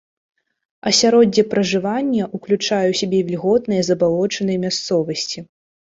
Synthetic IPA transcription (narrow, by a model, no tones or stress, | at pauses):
ɐsʲaɾɔdʲɐpɾɐʐɨvanʲːɐʔuklʲut͡ʂajɛwsʲabʲɛvʲlʲɣɔt̪nɨjɐzɐbalˠɔt͡ʂɐnɨjɐmʲast̪sɔvɐsʲt͡sʲi